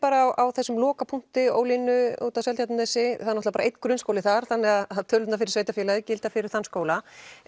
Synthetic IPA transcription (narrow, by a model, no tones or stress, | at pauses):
paːɾawʔawθɛsːʏmlɔːkapʰuŋ̥t̪ɪo̰ːwlinʏṵːt̪awsɛlt̪jat̪nʏθɛsːɪθaðnɔht̪lapaːɾaʔejt̪kɾʏnskowlɪθaɾ̥θanːɛɣaðaðt̪ʰœːlʏt̪nafɪɾɪɾ̥veːjt̪afjɛlaðɪcɪlt̪afɪɾɪɾ̥θanskoːwla